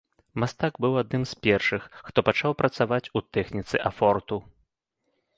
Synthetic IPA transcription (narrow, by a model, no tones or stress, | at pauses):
mast̪aɡbɨwad̪̚nɨmspʲɛrʂɨxːt̪ɔpat͡ʂawpɾɐt̪savat͡sʲut̪ɛxnʲit̪sɨʔafɔrt̪u